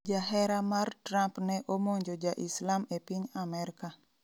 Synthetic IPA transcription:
d͡ʒaɦɛɾamart̪ɾampneʔɔmoɲd͡ʒod͡ʒaʔislamɛpiɲamɛɾika

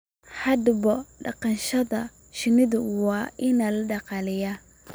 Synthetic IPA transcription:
ħɐd̪bɔɖɑ̰qɑnʃɐðɐ | ʃɪnɪðʊwɑːʔɪnɐlɖɑqɑlɪja

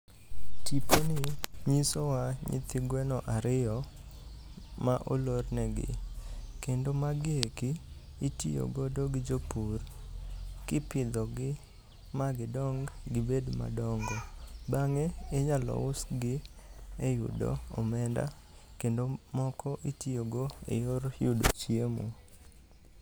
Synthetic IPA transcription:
tiponɪɲisowaɲḭt̪iɡwɛnɔʔaɾɪɔ | maʔolornɛɡɪ̰kendomaɡɪekiː | tijo̰ɡodoɡɪd͡ʒopur | kɪpɪd̪ɔɡɪ | maɡɪdɔŋɡɡɪbedma̰dɔŋɡɔbaŋeɪɲalɔ̰ʊsɡɪejʊ̰do̰ɔ̰mɛnda̰ | kendomɔkɔʔitioɡoḛjoɾjʊdo̰t͡ʃiemṵ

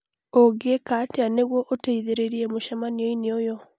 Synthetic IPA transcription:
oɡekateaneɣwɔʔoteiðeɾeɾiemoʃamanioineojɔ

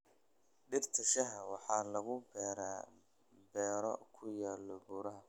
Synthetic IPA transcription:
ɖɪrt̪ʰɐʃɐɦɐwɑħɑːlɐɣʊbɛːɾa̰ː | bɛːɾɔ̰kʰʊjaːlːɔbuːɾɐɦɐ

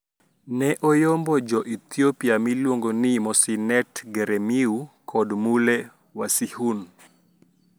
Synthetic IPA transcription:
nɛʔɔjombɔd͡ʒɔʔit̪iopiamilwoŋɡonimɔsinɛtɡɛɾɛmiukʰɔdmulɛ | wasihun

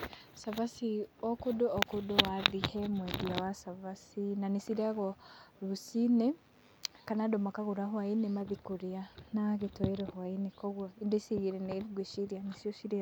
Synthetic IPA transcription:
savasiokuduokuduwaðihemwediawasavasinanisiɾaɣoɾusine | kanadomakaɣuɾaɦwainemaðikuɾianaɣitoeɾohwainekoɣwoindesiɣiɾeneɾiɡweʃiɾjanisijoʃiɾi

